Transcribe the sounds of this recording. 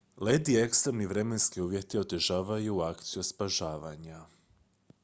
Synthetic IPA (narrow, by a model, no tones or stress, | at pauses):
led̪ie̞kst̪ɾemniʋɾe̞me̞nskiuːʋʲje̞t̪io̞d̪əʒaːʋajuakt̪sijuspaʒaːʋaɲa